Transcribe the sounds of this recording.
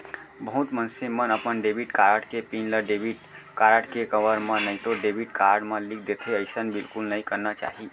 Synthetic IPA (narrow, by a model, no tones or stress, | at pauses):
bəɦut̪mənsemənəpənɖebiʈkaɾəʈkepinləɖebiʈkaɾəʈkekəʋəɾmə̃nəɪt̪oɖebʱiʈkaɾɖmẽlik̚ʰd̪et̪ʰeəɪsənbilkulnəĩkəɾnat͡ʃa̰ːɦi